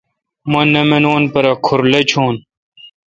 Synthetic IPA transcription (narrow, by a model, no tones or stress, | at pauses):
mɐnɐmenoːnpɐɾɐkʰuɾlɐt͡ɕʰoːn